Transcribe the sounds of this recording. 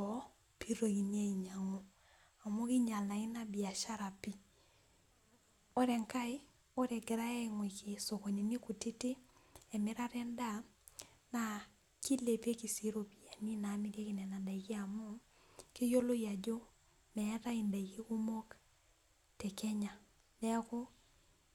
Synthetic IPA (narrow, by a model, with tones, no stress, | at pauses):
ɔ˨ | pi˦ɾo˨ɣi˨ni˦a˦i˨ɲa˨ŋo˦ | a˨mo˦kɪ˦ɲa˨lna˨ɪ˦na˦bi˨a˨ʃa˦ɾa˨pi˦ | o˦ɾɛ˨ŋka˦ɪ˦ | o˦ɾɛ˨ɡɛ˨ɾa˦ɛ˦ŋwi˨kɪ˨so˨ko˨ɲi˨ni˦ku˨ti˦tɪ˦ɛ˨mɪ˦ɾa˦ɾɛ˦nda˦ | na˨ | ki˦le˨pe˦ki˨si˨ɾo˨pi˨a˨ni˦naː˨˦mi˦ɾje˦kɪ˨nɛ˨na˨nda˨iki˦a˨mo˦ | ke˦jo˦lo˦ja˨d͡ʒo˦ | mɛ˦ta˦inda˨iki˦ku˦mo˦k | tɛ˨kɛ˦ɲa˨ | dɛ˦ko˦